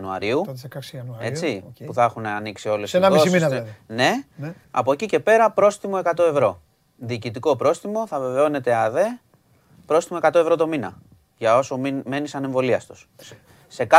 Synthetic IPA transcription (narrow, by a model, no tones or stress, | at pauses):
nuɐ̰ɾiu | e̞t͡sipuθɐexunɐniksio̞lesnɐiosine̞ | ɐ̰po̞ecice̞pe̞ɾɐpɾo̞st̪imo̞ekɐt̪o̞e̞vɾo̞ | ðiːcit̪iko̞pɾo̞st̪imo̞θɐve̞ve̞o̞ne̞t̪e̞ɐðe̞ | pɾo̞st̪imo̞e̞kɐt̪o̞e̞vɾo̞t̪o̞minɐ̰ | ʝɐo̞so̞mime̞nisɐne̞ɱvo̞liɐst̪u̥s | se̞kɐ